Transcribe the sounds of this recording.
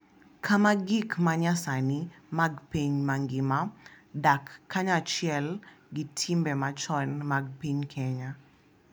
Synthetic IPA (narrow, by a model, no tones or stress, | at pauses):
kʰamaɡikmaɲasani | maɡpeɲmaŋɡɪmadakʰːaɲat͡ʃjɛl | ɡitʰimbɛmat͡ʃɔnmaɡ̚peɲkʰɛɲa